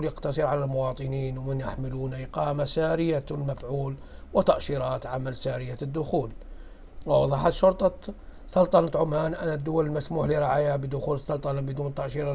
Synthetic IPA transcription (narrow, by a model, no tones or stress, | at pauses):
ljaqt̪ɑsˤɨɾʕalalmʊwɑːt̪ˤɨniːnwmɪnjaħmɪluːnaʔɪqɑːmasaːɾɪjamafʕuːlwɪt̪ɑʔʃiːɾˤɑːt̪ʕamalsaːɾɪjad̪ːʊxuːl | wɪwɑðˤɑːħat̪ʃʊɾt̪ˤɑ | sɑlt̪ˤɑnɑt̪ʕʊmhaːnʔanːad̪ːʊwalɪlmasmuːħliɾˤɪʕaːjabɪd̪ʊxuːlsːɑlt̪ˤɑnɑbɪd̪uːnt̪ɑʔʃiːɾˤɑ